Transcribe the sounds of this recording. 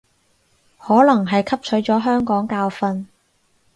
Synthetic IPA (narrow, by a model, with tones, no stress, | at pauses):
hɔː˨˥lɐ˨˩ŋɦɐ˨jkʰɐ˥p̚t͡ʃʰɵ˨˥ɥt͡sɔː˨˥ɦœː˥ŋkɔː˨˥ŋkaː˧wfɐ˧n